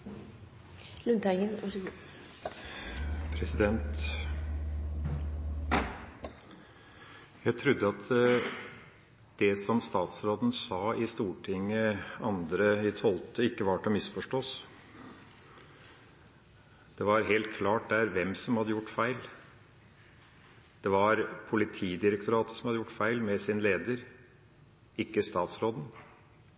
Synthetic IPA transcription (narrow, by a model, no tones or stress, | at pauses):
lʉnt̪ʰæɪŋənɔ | pʰɾɛsɪd̪ɛnt̪ | jæɪt̪ʰɾʉd̪ːəɑt̪ʰ | d̪̥ɛsɔmst̪ɑːt̪sɾoːd̪ən̩sɑːɪst̪uːʈʰɪŋːəɑnd̪ɾəɪt̪ʰɔlt̪əɪkːəʋɑʈɔmɪsfɔʂʈoːs | d̪̥ɛʋɑɾɦeːlt̪̚kʰlɑːʈ̚d̪æːɾʋɛmsɔmhɑd̪əjʊʈːfæɪl | d̪̥ɛʋɑɾpʰʊlɪt̪ʰiːd̪ɪɾək̚t̪ʊɾɑːt̪ə̥sɔm̩hɑd̪əjʊʈːfæɪlmɛsɪnleːd̪əɾ | ɪkːəst̪ɑːt̪sɾoːd̪n̩